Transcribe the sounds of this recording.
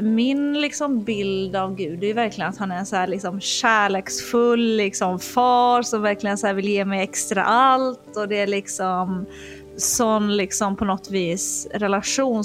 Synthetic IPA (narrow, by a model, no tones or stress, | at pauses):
mɪnlɪksɔmbɪld̪avɡʉ̟ːd̪æɾjɵvæɾklɪɡənat̪hanæɾɛnsɔhæːɭɪksɔmɕæːɭeːksfɵlːlɪksɔmfɑːɾʂɔmvæɾklɪɡənsɔhæːɾvɪljeːmɛjɛkst̪ɾa̰ʔalt̪ɔd̪ɛæɭɪksɔm | sɔnlɪksɔmpʰɔnɔt̪ːviːsɾɛlaɧuːn